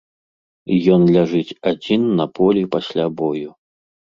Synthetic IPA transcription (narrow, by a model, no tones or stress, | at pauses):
jɔnlʲaʐɨt͡sʲad͡zʲinːɐpʰɔlʲipasʲlʲabɔju